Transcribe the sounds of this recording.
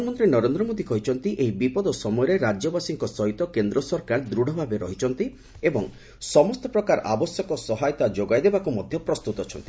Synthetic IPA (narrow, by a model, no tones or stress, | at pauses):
ɔmɔnt̪ɾinɔɾend̪ɾɔmod̪ikɔɦit͡ʃʰɔnt̪iʔeɦibipɔd̪ɔsɔmɔjɔɾeɾad͡ʒɔbasiŋkɔsɔɦit̪ɔkend̪ɾɔsɔɾkaɾd̪ɾuɽ̤ɔbʱabeɾɔɦit͡ʃʰɔnt̪i | ebɔŋ | sɔmɔst̪ɔpɾɔkaɾa̰bɔsjɔkɔsɔɦajɔt̪ad͡ʒoɡajd̪ebakumɔd̪ʱjɔpɾɔst̪ut̪ɔt͡ʃʰɔ̰nt̪i̥